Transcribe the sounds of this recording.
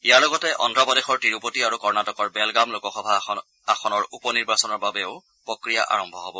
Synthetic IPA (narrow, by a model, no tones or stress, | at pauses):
ijaɹlɔɡɔtɛʔɔ̰ndɹapɔdexɔɹtiɹupotiaɹukɔɹnatɔkɔɹbɛlɡamlokɔxɔbʱa | axɔnɔɹupɔniɹbasɔnɔɹbabɛʊ | pɹɔkɹija̰ʔa̰ɹɔmbʱɔɦɔbɔ